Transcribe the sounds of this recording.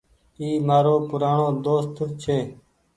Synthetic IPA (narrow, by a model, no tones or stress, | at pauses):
iːmaːɾoːpʊɾaːɳõːd̪oːst̪ʰʊt͡ʃʰeː